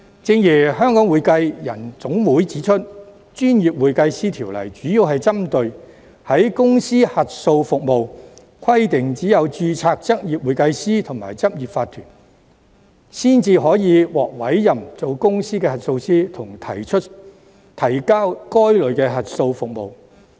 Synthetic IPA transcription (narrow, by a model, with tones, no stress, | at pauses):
t͡sɪ˧ŋjiː˨˩hœː˥ŋkɔ˨˥ŋwuː˨˧jkɐ˧jjɐ˨˩nt͡sʊ˨˥ŋwuː˨˥jt͡siː˨˥t͡ʃʰɵ˥t̚ | t͡ʃyː˥njiː˨p̚wuː˨jkɐ˧jsiː˥t̪ʰiː˨˩wlɐ̰˨˩jt͡ʃyː˨˥jiː˧wɦɐ˨jt͡sɐ˥mt̪ɵ˧ɥ | hɐ˨˥jkʊ˥ŋsiː˥hɐ˨t̚so˧wfʊ˨k̚mo˨w | kʰɐ˥jt̪ɪ˨ŋt͡siː˨˥jɐ˨˧wt͡ʃyː˧t͡sʰaː˧k̚t͡sɐ˥k̚jiː˨p̚wuː˨˧jkɐ˧jsiː˥t̪ʰʊ˨˩ŋma̰ː˨˩jt͡sɐ˥p̚jiː˨p̚faː˧t̪ʰyː˨˩n | siː˥nt͡siː˧ɦɔː˨˥jiː˨˧wɔː˨k̚wɐ˨˥jːɐ˨mt͡so˨wkʊ˥ŋsiː˥kɛː˧hɐ˨˩t̚so˧wsiː˥t̪ʰʊ˨˩ŋt̪ʰɐ˨˩jt͡ʃʰɵ˥t̚ | t̪ʰɐ˨˩jkaː˥wkɔː˥jlɵ˨˧ɥkɛː˧ɦɐ˨t̚so˧wfʊ˨k̚mo˨w